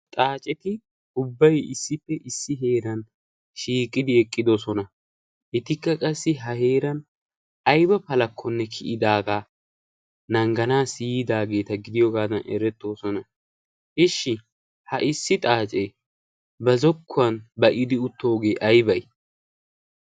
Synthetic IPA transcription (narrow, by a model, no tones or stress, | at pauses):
t̪ʼaːt͡ʃʼɛt̪ɪ | ʊbːɐjɪsːɪpːɛʔɪsːɪɦe̞ːɾɐn | ʃiːkʼːɪd̪ɪɛkʼːɪd̪ɔsɔnɐ | ʔɪt̪ɪkːɐkʼɐsːɪɦɐheːɾɐn | ɐjbɐpɐlɐkʰːɔnːɛkʰɪʔɪd̪aːɡaː | nɐŋɡɐnaːsijd̪aːɡe̞ːt̪ɐɡɪd̪ɪjɔɡaːd̪ɐnɛ̰ɾɛt̪ːo̞ːsɔnɐ | ʔɪʃːɪ | hɐʔɪsːɪt̪ʼaːt͡ʃʼe | bɐzɔkʰːʊɐnbɐʔɪd̪ɪʊt̪ːo̞ːɡeːʔɐjbɐj